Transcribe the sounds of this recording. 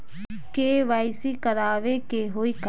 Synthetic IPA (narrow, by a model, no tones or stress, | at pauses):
keːʋaːɪsikəɾaːʋekeɦoːiːk